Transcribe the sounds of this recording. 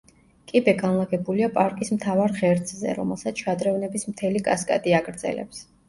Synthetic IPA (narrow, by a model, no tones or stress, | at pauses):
kʼibɛɡanlˠaɡɛbuliapʼaɾkʼismt̪ʰavaɾʁɛɾt̪sʰʼzɛ̰ɾɔ̰mɛlˠsat̪sʰʃad̪ɾɛvnɛbismt̪ʰɛlikʼaskʼa̰t̪ʼiaɡɾd̪z̥ɛ̰lɛ̰ps